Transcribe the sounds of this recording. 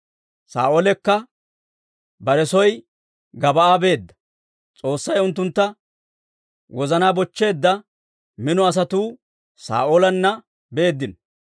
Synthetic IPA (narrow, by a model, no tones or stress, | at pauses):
sa̰ːʔoːlɛkːɐ | bɐɾɛsɔj | ɡɐbɐaːbe̞ːd̪ːɐ̥ | t͡sʼo̞ːsːɐjʊnt̪̬ːʊnt̪ːɐ | wɔzɐnaːbɔt͡ʃːe̞ːd̪ːɐ | mɪnɔɐs̬ɐt̪uː | sa̰ːʔoːlɐnːɐ | beeːd̪ːɪn